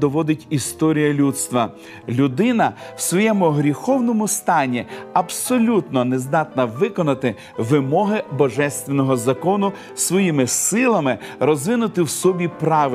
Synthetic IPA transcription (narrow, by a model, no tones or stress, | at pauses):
d̪ɔʋɔd̪ɪtʲist̪ɔɾʲijɐlʲut̪st̪ʋɐ | lʲʊd̪ɪnɐwsʋɔjɛmʊɦɾʲixɔwnɔmʊst̪ɑnʲːiɐbsɔlʲut̪nɔnezd̪ɑt̪nɐʋɪkɔnɐt̪ɪ | ʋɪmɔɦɪbɔʒɛst̪ʋenɔɦɔzɐkɔnʊ | sʋɔjimɪsɪlˠɐmɪrɔzʋɪnʊt̪ɪwsɔbʲipɾɑʋ